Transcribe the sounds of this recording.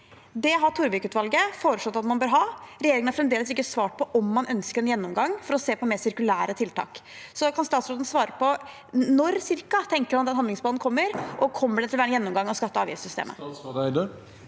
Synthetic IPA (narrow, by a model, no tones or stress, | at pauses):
d̪ɛɦɑʈ̪ʰuɾʋɪkʉːt̪ʋɑlɡəfoːɾəʂɭɔt̪ːɑt̪mɑnbøːɾɦɑːɾɛjeːɾɪŋənɑfɾɛmd̪eːləs̬ɪkːəsʋɑːʈ̚pʰɔʔɔmːɑnʔœnskəɾɛnjɛnːʊmɡɑŋːfɔɾɔseːpɔmeːɾsɪɾkʉlæːɾət̪ʰɪlt̪ʰɑ̰ːksɔkʰɑnst̪ɑːt̪sɾɔd̪n̩sʋɑːɾəpʰɔ | nɔɾsɪɾkɑt̪ʰɛŋkəɾmɑnt̪ɛnhɑnɪŋsblɑːd̪n̩kʰɔmːəɾʔɔkʰɔmːəɖɛt̪ʰɪlæːɾənjɛnːʊmɡɑŋːɑskɑt̪ːəɑːʋɪ̰ssʏst̪ḛːmʔə̰d̪